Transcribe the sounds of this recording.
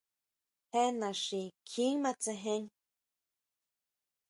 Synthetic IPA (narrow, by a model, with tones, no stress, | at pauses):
he˦nã˨ʂi˧kʰi˦ŋmã˧t͡se˧ɦẽ˧˦ŋ